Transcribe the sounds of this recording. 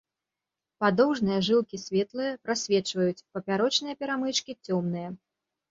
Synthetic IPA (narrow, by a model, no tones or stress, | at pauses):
pad̪ɔwʐnɨjɐʐɨlˠkʲisʲvʲɛt̪lˠɨjɐpɾasʲvʲɛt͡ʂvɐjut͡sʲpɐpʲaɾɔt͡ʂnɨjɐpʲɛɾamɨt͡ʂkʲit͡sʲɔmn̪ɨjɐ